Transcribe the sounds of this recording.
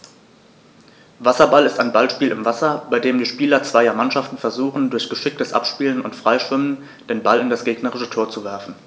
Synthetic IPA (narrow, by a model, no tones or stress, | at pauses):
vasɐbalɪstaɪnbalʃpiːlɪ̰mvasɐbaɪdeːmdiːʃpiːlɐt͡sv̥aɪɐmanʃaftn̩fɛɐzuːχn̩dʊɐçɡ̥əʃɪk̚təsʔa̰pʃpiːlənʊntfʁ̥aɪʃv̥ɪmən | d̥eːnbalɪndasɡ̥eːɡnəʁɪʃətʰoːɐt͡suvɛɐfn̩